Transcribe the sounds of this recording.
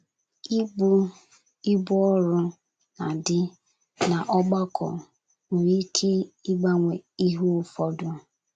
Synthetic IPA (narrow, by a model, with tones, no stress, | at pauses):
i˦u˦ | i˦bu˦ɔ˦ɾʊ˦ | na˨dɪ˦ | na˨ʔɔ˦ɡ͡ba˦kʰɔ̰˨ | ŋu˨ɾi˦kʰe˦i˦ɡ͡ba˦ŋʷe˨i˦ɦu˦ʊ˦fɔ˦dʊ˦